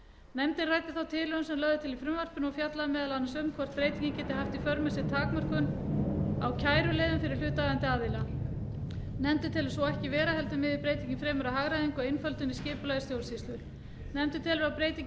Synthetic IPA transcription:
nɛmt̪ɪnrajt̪ɪθawt̪ʰɪːlœʏnsɛmlœɣðʏt̪ʰɪlifɾʏmvar̥pʏnɔɣfjat̪laðmɛːðalanasʏmkʰvɔr̥t̪̚pɾejt̪iɲcɪncɛːt̪ɪhaft̪ifœɾmasɪt̪ʰaːkmar̥kʏn | awcʰaːjɾʏleːðʏmfɪɾɪɾ̥l̥ʏːt̪aɣant̪ɪaːðɪla | nɛmt̪ʏt̪ʰɪlsɔɛhcɪvɛːɾahɛlt̪ʏmɪðɪpɾeːjt̪iɲcɪnfɾɛːmʏɾaɦaɣɾaðiŋkɔejnfœlt̪ʏniscɪːpʏlajɪst̪jowlsist̪ʏɾ | nɛmt̪ʏt̪ʰɪlvɛɾawpɾeːjt̪iɲc

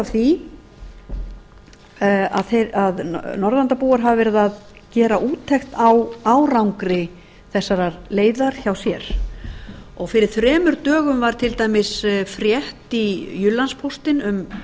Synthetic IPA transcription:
avθi | a̰ðθeaðnɔɾðant̪apuːaɾɦavavɛɾɪðað | cɛːɾaʔuːt̪ʰːɛxt̪awawɾawŋkɾɪ | θɛsːaɾaleːjðaɾ̥çawsjɛɾ̥ | ɔɣfɪɾɪɾ̥θɾɛːmʏɾt̪œːɣʏmvaɾ̥t̪ʰɪlt̪aːjmɪsfɾjɛht̪ijʏlːanspʰowst̪ɪnʏm

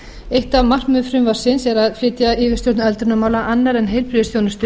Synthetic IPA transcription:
ejht̪avmar̥kmʏðfɾʏmvaɾ̥sɪnsɛɾaðflɪːt̪jaɪːvɪst̪jowt̪nɛlt̪ɾʏnamaːwlaʔanːaɾɛnɦejlpɾɪðɪsθjownʏst̪ʏ

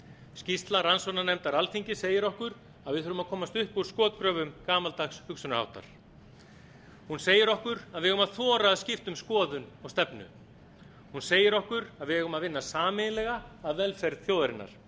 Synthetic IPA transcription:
scist̪laransɔnanɛmt̪aɾalfiɲcɪseːjɪɾɔhkʏɾ | aðvɪðœːɾʏmaðkʰɔːmast̪ʏhpuɾ̥skɔːt̪kɾœːvʏmkaːmalt̪axshʏksʏnʏha̰wht̪a̰ɾ̥ | hunseːjɪɾɔhkʏɾaðvɪɣʏmaðθɔːɾaːðscɪft̪ʏmskɔːðʏnɔɣst̪ɛpnʏ̰ | hunseːjɪɾɔhkʏɾaðvɪɛɣʏmaðvɪnːasaːmɪnɪlɛɣaːðvɛlfɛɾðθjoːwðaɾɪnːa̰ɾ̥

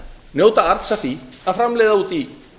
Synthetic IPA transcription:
njowt̪aaɾt̪safiaðfɾamlejðauːt̪i

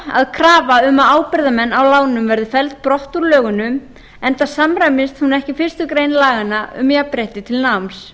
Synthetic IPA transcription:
a̰ðkʰɾaːvaʏmaaːwpɪɾðamɛnːawlaːwnʏmvɛɾðʏfɛlt̪̚pɾɔht̪uɾlœːɣʏnʏm | ɛnt̪asamrajmɪst̪hunɛhcɪfɪr̥st̪ʏkɾejnlaːɣanːaʏ̰mjapɾɛht̪ɪt̪ʰɪlnams

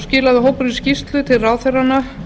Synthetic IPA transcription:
scɪːlaðɪɦoːwpʏɾiscist̪lʏt̪ʰɪlraːwθeranːa

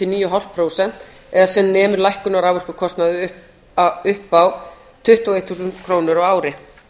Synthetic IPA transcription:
ɪlniːjʏɦawl̥pʰɾowsɛn̥t̪ | ɛðasɛnnɛːmʏɾlajhkʏnaɾawvœr̥kʏkʰɔst̪naðʏʏ | ʏhpaw | t̪ʰʏht̪uaɔejt̪θuːsʏnt̪kʰɾoːwnʏɾawaːwɾɪ

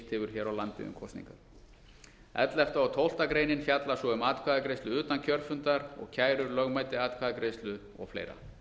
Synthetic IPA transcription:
t̪hɪːvʏɾ̥çɛːɾawlant̪ɪ̰ðʏ̰mkʰɔst̪nḭŋka | ɛ̰t̪lɛft̪aawt̪ʰowl̥t̪akɾeːjnɪnfjat̪lḁsɔʏmaːt̪kʰvaːðakɾejst̪ʏʏːt̪ancʰœɾfʏnt̪aɾɔ̰ɣcʰaːjɾʏɾlœɣmaːjt̪ɪaːt̪̚kʰaːðakɾest̪lʏ | ɔ̰ɣflḛjɾa̰

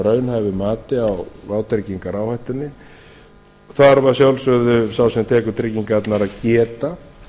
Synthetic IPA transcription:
ɾœːɥnhajvɪmaːt̪ɪawvaːwt̪ɾɪciŋkaɾaːwhajht̪ʏnːɪ | θaɾvḁsjawlsœðʏsawsɛmt̪ʰɛːkʏɾt̪ʰɾiciŋkaɛt̪naɾaðcɛːt̪a

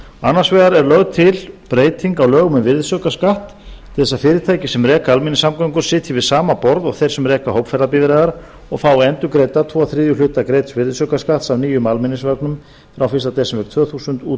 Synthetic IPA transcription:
a̰nːaɾ̥svɛːðaɾɛɾlœɣt̪ʰɪlpɾeːjt̪iŋkawlœːɣʏmʏvɪɾðsœːkaskaht̪ʰː | ɪθɛsːafɪːɾɪɾt̪ʰaːjcɪsɛmrɛːkaalmɪnɪsːamkaŋkʏɾ̥sɪːt̪ʰjɪvɪðsaːmapɔɾðɔɣθejɾ̥sɛmrɛːkahowpfɛɾðapɪvɾaːðaɾ | ɔɣfaːwɛnt̪ʏkɾeːjt̪at̪ʰvɔːaθɾɪːðjʏlʏːt̪akɾejt̪svɪɾðsœːkaskaht̪savniːjʏmalmɪnɪsvœknʏm | fɾawfɪst̪at̪ɛsɪmvɛɾt̪ʰvœːθusʏnt̪uː

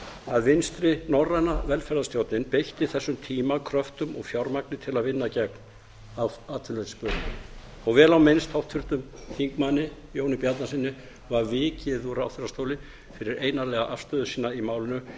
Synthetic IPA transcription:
aðvɪnst̪ɾɪnɔrːajnavɛlfɛɾðast̪jowt̪nɪnpejht̪ɪθɛsːʏmt̪ʰiːmakʰɾœft̪ʏmɔɣfjawɾmaknɪt̪ʰɪlaðvɪnːacɛkn | aat̪fɪnlet̪spœ | awvɛːlawmejnst̪ʰawht̪fʏɾ̥t̪ʏmθiŋkmanːɪjoːwnɪpjat̪nasɪnːɪ | vaɾvɪːcɪðuɾaa̰wt̪θʰfɪɾast̪oːwlɪ | fɪɾɪɾʔeːjnaɾlɛɣaʔafst̪œːðʏsiːnaimaːwlɪnʏ

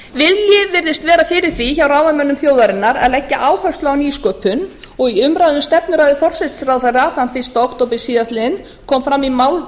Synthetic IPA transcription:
vɪðljɪvɪɾðɪst̪vɛːɾafɪɾɪɾ̥θiçawɾaːwvamœnːʏmθjoːwðaɾɪnːaɾɛ̰ðlɛhcːɪʔaːwhœst̪ɔaniːskœːpʏn | ɔɣiʏmɾajðʏmst̪ɛpnʏɾajðʏfɔr̥sɛt̪srawθaɾaθanfɪst̪owht̪owpɪsiːðast̪lɪðɪn | kʰɔːmfɾamːimaːwl

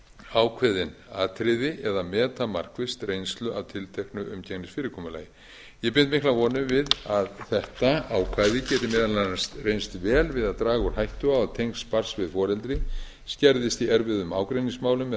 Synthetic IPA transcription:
aːwkʰvɛːðɪn | aːt̪ʰɾɪðɪʔɛðamɛːt̪amar̥kvɪst̪rejnst̪lʏʔavt̪ʰɪlt̪ʰejhknʏʔʏmcʰɛknɪsfɪːɾɪkʰɔːmʏlaːjɪ | jɛpɪnt̪mɪhklavɔːnʏmvɪðaðθɛht̪aawkʰvaːðɪcɛːt̪ɪmɪːðalanast̪rejnst̪vɛːlvɪðaðt̪ɾaːɣʏɾ̥hajht̪ʏaat̪ʰejŋkspar̥svɪðfɔːɾɛlt̪ɾɪ | scɛɾðɪst̪iɛɾvɪðʏmaːwkɾejnĩŋsmaːwlʏm

